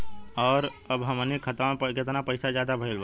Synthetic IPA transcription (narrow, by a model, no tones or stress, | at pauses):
ɔːɾ | əbɦəmnikʰət̪pəket̪napəɪsad͡ʒjaːd̪abʱəilba